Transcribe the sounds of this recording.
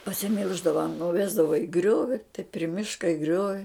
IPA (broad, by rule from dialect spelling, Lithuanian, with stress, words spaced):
pɐsʲɪˈmʲɪlˠʒdɐʋɐ nʊˈʋʲæːzdɐʋɐ ɪ ˈɡrʲoːʋʲɪ tɐɪ pʲrʲɪ ˈmʲɪʃkɐ ɪ ˈɡrʲoːʋʲɪ